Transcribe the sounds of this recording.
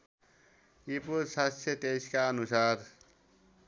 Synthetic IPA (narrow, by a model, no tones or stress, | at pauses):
ipuɾsast̪ʰjet̪ejskaʌnusaɾ